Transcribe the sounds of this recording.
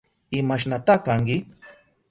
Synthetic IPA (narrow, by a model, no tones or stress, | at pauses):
ɪmaʃ̬nat̪akaŋkɪ